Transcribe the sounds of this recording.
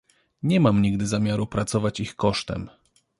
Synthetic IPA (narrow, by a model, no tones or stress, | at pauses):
ɲɛmamɲiɡd̪ɘzamʲjaɾupɾat̪sɔvat͡ɕixkɔʂt̪ɛ̰m